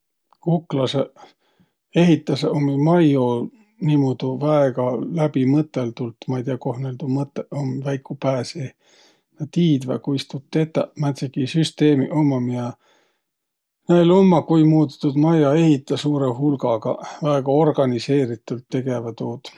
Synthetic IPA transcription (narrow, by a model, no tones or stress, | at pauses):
kuklɑse | e̞ɦit̪ːˑɑsomimɑjo | niːmod̪̥uvæeɡ̥ɑlæb̥imɤt̪ːˑelt̪ult̪ːˑmɑijt̪iɑko̞hneld̪umɤt̪ːeomvæjkːˑupæːsi | nɑt̪iːd̪væ̰kujst̪ut̪ːet̪ːɑ̰mæt̪sikisyst̪e̞ːmiʔomːɑmiɑ | nelomːɑkujmuːt̪t̪ːud̪mɑjɑe̞ɦit̪ːˑɑsuːɾeɦulɡɑɡ̥ɑ̰væeɡ̥ɑo̞rɡ̥ɑnise̞ːɾit̪ːˑult̪ːe̞ɡ̥evɑt̪uːd̪̥